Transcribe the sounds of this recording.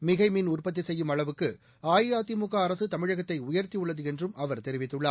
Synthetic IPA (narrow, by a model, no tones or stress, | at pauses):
mɪɣɐɪmiːnʊrpɐt̪̬ːisɛjːɯmɐɭɐʋɯkːɯ | aːjaːt̪imʊɣaːɾɐsɯt̪ɐmɪɻɐɣɐt̪ːɐɪʊjɐɾt̪ijɯɭːɐðɯɛndrɯmɐʋɐɾt̪ɛɾɪʋɪt̪ːɯɭːaː